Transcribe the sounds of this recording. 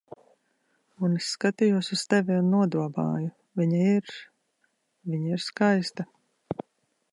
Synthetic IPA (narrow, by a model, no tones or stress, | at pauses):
unisːkat̪ijuɔsust̪ɛvʲiunːuɔd̪uɔba̰ːju | vʲiɲaiɾ | vʲiɲaiɾskajst̪a